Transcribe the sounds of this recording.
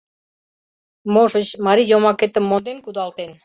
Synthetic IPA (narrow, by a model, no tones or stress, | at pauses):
moʃə̆t͡ɕmɑɾijomɑket̪ə̆mːond̪enkud̪ɑlt̪en